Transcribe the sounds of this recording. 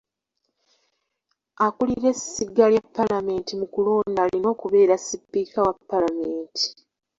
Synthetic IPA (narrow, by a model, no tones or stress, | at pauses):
akuliɾe̞siɡaljapːalame̞ːntimukuloːndalino̞ːkuβe̞ːɾasipːiːkawapːalameːnti̥